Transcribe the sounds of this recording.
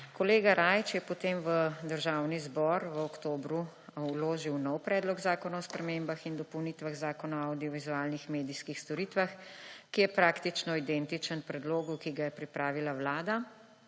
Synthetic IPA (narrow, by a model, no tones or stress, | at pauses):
kɔleːɡaɾajt͡ʃjɛpɔt̪eːmʋəd̪əɾʒawnizbɔɾʋəɔkt̪oːbɾu | loːʒiwnɔwpɾɛd̪lɔɡzaːkɔnaɔspɾɛmembaxind̪ɔpɔwnit̪ʋaɣzaːkɔnaawd̪iɔʋizuaːlnixmeːd̪iskixst̪ɔɾit̪ʋaxkijɛpɾaːkt̪it͡ʃnɔid̪ɛnt̪it͡ʃənpɾɛd̪loːɡukiɡajɛpɾipɾaːʋilawlaːd̪a